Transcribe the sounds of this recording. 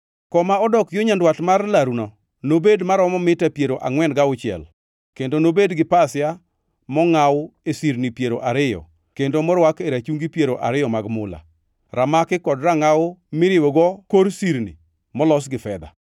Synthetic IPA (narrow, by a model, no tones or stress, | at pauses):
kɔmaɔdɔkjoɲandwatmarlaɾunɔ | nobedmaɾɔmɔmɪtapjeɾoʔaŋwɛnɡaʊt͡ʃɪɛ̰l | kendonobedɡɪpasja | mɔŋawʊesiɾnipjeɾoʔaɾɪjɔ̰ | kendomɔɾwakeɾat͡ʃuŋɡipjeɾoʔa̰ɾɪjɔmaɡmʊla̰ | ɾamakɪkɔdɾaŋaʊmɪɾɪwoɡɔkoɾsiɾnḭ | mɔlɔsɡɪfɛd̪a̰